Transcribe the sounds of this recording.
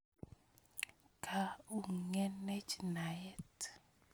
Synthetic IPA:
kʰa˦u˦ŋe˦ne˦t͡ʃna˨jɛ˦t

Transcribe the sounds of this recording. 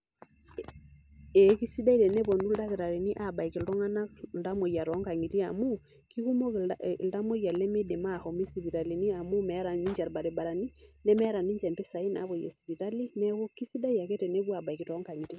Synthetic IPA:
ɛ˨ki˦si˦da˦i˦ɾɛ˨ne˦βɔ˨ndu˦lda˦ɣe˨ɾa˨ɾe˨ni˦ʔa˦˨ba˨i˨ki˨lɾɔ˦ŋa˦na˦l̩da˦mo˨ja˨ɾɔ˨˦ŋka˨ŋi˨ɾi˦a˨mu˦ | ki˦ɣu˦mɔ˦lda˦mo˦ja˨le˦me˦de˨ma˦˨hɔ˨mi˦si˨βi˨ɾa˨li˨ni˦a˨mu˦mɛ˨ɾa˨ni˦d͡ʒa˨ɾba˨ɾe˨ba˨ɾa˨ni˦nɛ˦mɛ˦ɾa˨ni˦ɲd͡ʒɛ˨mbe˦sa˨i˦na̰˨˦βɔ˨jɛ̰˨si˨βi˨ɾa˦li˦nɛ˦ɣu˦ki˦si˦da˦ija˨ke˦te˨ne˦ɣwa˨ba˨i˨ki˨ɾɔ˦ŋɡa˨ŋi˨ɾi˦

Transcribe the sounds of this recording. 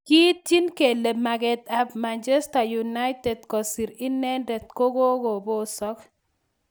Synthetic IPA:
ki˦ti˦nke˨le˨ma˨ɡɛ˨t̪a˨pma˨nt͡ʃe˦sta˨ju˨na˦jtɛ˨d̪̚kɔ˨si˨ɾɪ˦nɛ˦ndɛ˨t̪̚ko˦ɡo˦ɡo˨bo˦sɔ˦k

